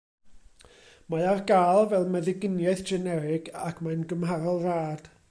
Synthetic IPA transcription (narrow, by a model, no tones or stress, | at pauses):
maarɡaːlˠvɛlˠmɛðɪɡɪnjaɨθd͡ʒɛnɛɾɪɡakʰmajnɡəmhaɾɔlˠraːd̥